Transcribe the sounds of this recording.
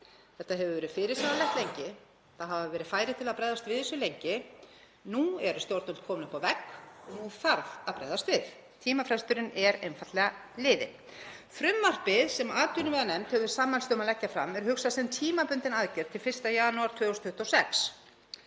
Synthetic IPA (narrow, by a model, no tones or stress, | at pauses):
θɛht̪ːaɦɛvʏvɛːɾɪfɪɾɪɾsamalɛht̪lejɲcɪ | θaðɦavavɛːɾɪðfaːjɾɪðt̪ʰɪlaðpɾɛjðast̪vɪðisːʏlejɲcɪ | nuɛɾst̪jowɾt̪ʏl̥t̪kʰɔːmnʏhpawvɛkːnufaɾðaðpɾɛ̰jðast̪vɪθ | t̪ʰiːmafɾɛst̪ʏɾɪnɛɾejnfat̪lɛɣalɪːðɪ̰ | fɾʏmːar̥pɪðsɛmaːt̪ʏnʏmvɛðanɛmt̪hɛvʏvɪɾsaːmːalst̪œmalɛcːafɾa̰mɛɾhʏksasɛmt̪ʰiːmapʏnt̪ɪnaðcɛɾt̪ʰɪlfɪr̥st̪ajaːnuaɾt̪ʰvœːʏst̪ʰʏht̪ɔsɛks